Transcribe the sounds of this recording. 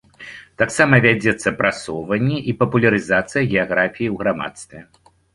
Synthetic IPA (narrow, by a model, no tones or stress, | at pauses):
t̪aksamɐvʲad͡zʲɛt̪sːɐpɾasɔwvɐnʲːɛʔipɐpulʲɐɾɨzat̪sɨjɐɣʲɛaɣɾafʲijiwɣɾama̰t̪st̪vʲɛ